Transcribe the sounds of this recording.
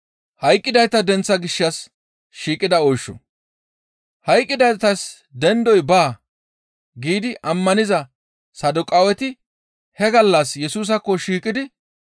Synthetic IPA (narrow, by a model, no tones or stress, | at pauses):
hɐjkʼːɪd̪ɐjt̪ɐd̪ɛnt͡sːɐɡɪʃːɐs | ʃiːkʼːɪd̪ɐɔjʃːɔ̰ | hɐjkʼːɪd̪ɐjt̪ɐs | d̪ɛnd̪ɔjbaː | ɡiːd̪ɪʔɐmːɐnɪzɐ | sɐd̪ʊkʼaːwɛt̪ɪ | hɛɡɐlːɐsjɛsuːs̬ɐkːɔʃiːkʼːɪd̪ɪ